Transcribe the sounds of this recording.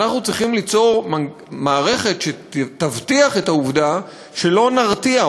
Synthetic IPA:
naχnut͡sʁiχimlit͡so̞ʁma | maːʁe̞χe̞tʃetavtiaχe̞tauvda | ʃe̞lo̞naʁt̪ia

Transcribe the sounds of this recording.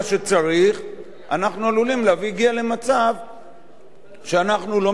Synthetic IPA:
ʃe̞t͡saʁiχ | a̰naχnualulimleaviːɡiale̞mat͡sav | ʃeanaχnulo̞

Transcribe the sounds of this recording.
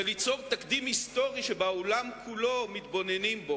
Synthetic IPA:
elit͡so̞vt̪akd̪imhist̪o̞ʁiʃebaolamkʰulo̞mit̪bo̞ne̞nimbo

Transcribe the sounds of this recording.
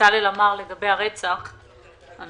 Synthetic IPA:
alelamaʁle̞ɡabejaʁet͡saχ | an

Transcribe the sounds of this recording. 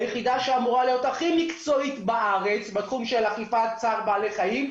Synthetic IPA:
jeχid̪aʃeamuʁalejotaχimikt͡so̞it̪baʔaʁe̞t͡sbet̪χumʃe̞laχifat͡saʁbaːleχajim

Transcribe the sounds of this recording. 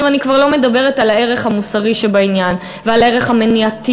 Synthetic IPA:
vanikvaʁlo̞me̞dabe̞ʁ̞etalae̞ʁe̞χhamusaʁiʃebainjan | vealae̞ʁeχhameniati

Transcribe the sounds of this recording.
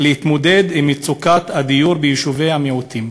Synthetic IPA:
lehit̪mod̪e̞d̪imit͡sukat̪had̪ijuʁbejiʃuvejhameut̪im

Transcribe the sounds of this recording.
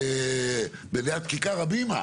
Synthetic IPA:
e | beleat̪̚kikaʁabima̰

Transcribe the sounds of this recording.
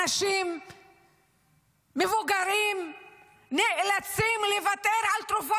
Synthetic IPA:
aʃim | evuɡaɾim | niʔlat͡simlevat̪eɾʕalt̪ɾufa

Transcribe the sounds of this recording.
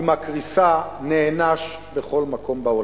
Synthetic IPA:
makʁisaneːnaʃ | beχo̞lmako̞mbao

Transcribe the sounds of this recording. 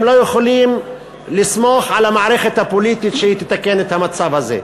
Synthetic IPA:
mlo̞jeχolim | lismo̞ħʕalamaʕɾeχet̪hapolit̪it̪ʃehit̪et̪akenet̪hamat͡savhazḛ

